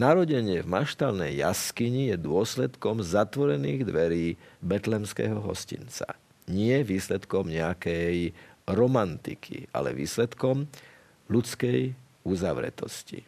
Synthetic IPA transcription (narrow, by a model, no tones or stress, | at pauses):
naɾɔɟɛɲɪɛvmaʃt̪alnɛjːa̰skiɲijɛd̪ʊɔslɛt̪kɔmzat̪ʋɔɾɛniːɣd̪ʋɛɾiːbɛt̪lɛmskɛ̰ɦɔɦɔ̰scḭnt͡sa̰ | ɲɪɛʋiːslɛt̪kɔmɲɛakɛjɾɔmant̪ḭkʰḭa̰lɛ̰ʋḭːslɛt̪kɔm | lut͡skɛj | uzaʋɾɛ̰t̪ɔ̰scḭ